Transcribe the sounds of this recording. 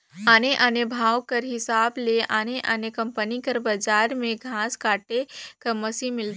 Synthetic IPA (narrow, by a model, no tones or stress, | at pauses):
aːneʔanebʱaːwkəɾɦɪsaːbleʔaneʔanekɐmpənikəɾbɐd͡ʒaːɾmẽɡʱãːskaːʈekəməsimɪld̪